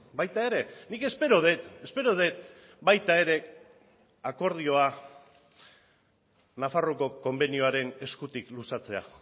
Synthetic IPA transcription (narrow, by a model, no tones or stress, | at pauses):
bajt̪ae̞ɾe̞nike̞spe̞ɾoðe̞t̪e̞spe̞ɾoðe̞t̪̚ | bajt̪ae̞ɾe̞ | ako̞ɾð̞io̞a | nafaro̞ko̞ko̞mbe̞nioaɾe̞ne̞skut̪iklusat͡se̞a̰